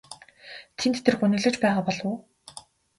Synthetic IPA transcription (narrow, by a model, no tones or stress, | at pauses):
t̪ʰent̪ʰt̪ʰɘ̆rxunɘ̆ɮɘ̆t͡ɕpæːʁaːpɔɮʊː